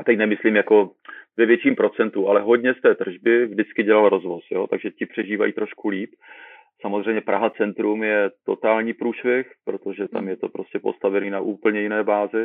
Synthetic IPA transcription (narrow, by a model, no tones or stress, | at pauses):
ʔat̪ɛcnɛmɪsliːmjako̞vɛvjɛt͡ʃiːmpɾo̞t͡sɛnt̪uʔalɛɦo̞ɟɲɛst̪ɛːt̪r̩ʒbɪvdɪt͡skɪɟɛlalɾozvo̞sjo̞t̪aɡʒɛcɪpr̝̥ɛʒiːva̰jiːt̪ɾo̞ʃkuliːp | samozr̝ɛjmɲɛpɾaɦat͡sɛnt̪ɾumjɛt̪o̞t̪aːlɲiːpɾuːʃvjɛxpɾo̞t̪o̞ʒɛt̪a̰mjɛt̪o̞pɾo̞scɛpo̞̰st̪avɛniːnaʔuːpl̩ɲɛjɪnɛːbaːzɪ